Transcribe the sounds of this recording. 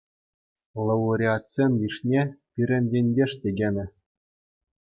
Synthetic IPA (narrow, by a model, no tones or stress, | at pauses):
lˠɤuɾʲiɑtsʲenʲdʲiʂnʲepʲiɾʲɘ̆nʲdʲenʲdʲeʂt̪ʲeɡʲenʲɘ̆